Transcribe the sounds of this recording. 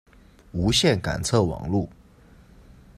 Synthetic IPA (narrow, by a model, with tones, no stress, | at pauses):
u˧˥ɕjɛ˥˩nka̰˨˩nt͡sʰɤ˥˩wɑ̰˨˩ŋlu˥˩